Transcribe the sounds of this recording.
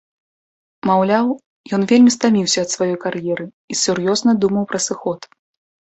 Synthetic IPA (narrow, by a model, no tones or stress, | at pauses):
mawlʲaw | jɔnvʲelʲmʲist̪amʲiwsʲɐːt̪svajɔjkarjɛɾɨ | isʲurjɔznɐd̪umɐwpɾɐsɨxɔt̪